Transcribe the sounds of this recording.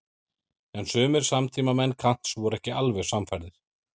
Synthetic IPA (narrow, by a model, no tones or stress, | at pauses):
ɛnsʏːmɪɾ̥samt̪ʰiːmamɛnːkʰan̥t̪svɔɾɛhcɪalvɛɣ̥samfajɾðɪɾ̥